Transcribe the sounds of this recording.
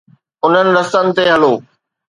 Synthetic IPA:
ʊn̤ənɪ̆ɾɐsənɪ̆t̪eɦɐloː

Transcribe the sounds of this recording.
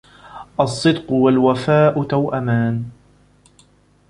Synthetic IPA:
ʔɑsˤːɨd̪qʊwalwafaːʔʊt̪awʔamaːn

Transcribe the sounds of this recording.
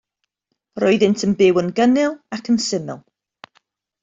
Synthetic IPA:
rɔɨðɪntʰənbɪwənɡənɪlˠakʰənsɪmɪlˠ

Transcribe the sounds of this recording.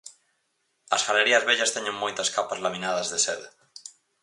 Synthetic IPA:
ɐsfaleɾiazβeʎast̪eɲeŋmojt̪askapazlamĩnað̞azðeseðe

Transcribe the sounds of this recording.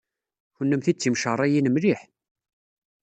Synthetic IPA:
çənːəmθit͡sːimʃərˤːæjinəmliħ

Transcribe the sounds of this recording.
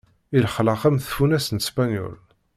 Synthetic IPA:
ilχləqæmθfunæsənt̪spænjɔ̰l

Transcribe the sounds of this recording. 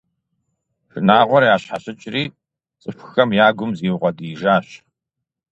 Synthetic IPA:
fɨnaːʁʷɔɾjaːɕħaɕɪt͡ʃʼriː | t͡sʼɨfxɐmjaːɡʷʊmziːwʊʁʷɔdiʒaːɕ

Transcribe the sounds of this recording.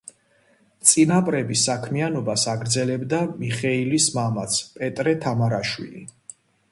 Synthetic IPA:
t̪sʼinapʼɾɛbisakʰmianɔbasaɡɾd̪zɛlɛbd̪amiχɛilismamat̪sʰpʼɛt̪ʼɾɛt̪ʰamaɾaʃwḭlḭ

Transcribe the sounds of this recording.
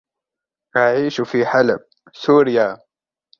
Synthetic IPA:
ʔaʕiːʃfiːħalab | suːɾɪjaː

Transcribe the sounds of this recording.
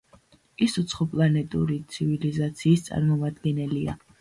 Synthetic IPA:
isut̪sʰχɔpʼlˠanɛt̪ʼṵɾit̪sʰivilizat̪sʰiːst̪sʼa̰ɾmɔmad̪ɡɛnɛlia

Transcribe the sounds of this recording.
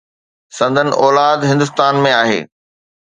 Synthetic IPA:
sɐ̃nd̪ʱənɪ̰̆ʔɔːlaːd̪ɦɪ̃nd̪ʊst̪aːnmẽaːɦḛː

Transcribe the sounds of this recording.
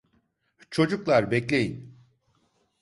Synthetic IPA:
t͡ʃʰo̞d͡ʒuklˠaɾbɛclʲe̞jin

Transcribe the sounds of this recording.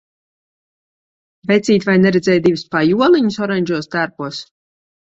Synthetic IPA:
vɛt̪sʲiːt̪ʲvajnɛɾɛd̪zʲɛːjt̪d̪ʲivɨspajuɔlˠiɲusɔɾaɲʲd͡ʒuɔst̪æɾpuɔs

